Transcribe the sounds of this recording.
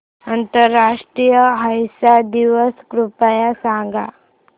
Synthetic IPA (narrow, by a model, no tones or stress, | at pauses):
ənt̪əɾːaʂʈɾijəɦəjsad̪iʋəskɾupajasãŋɡa̰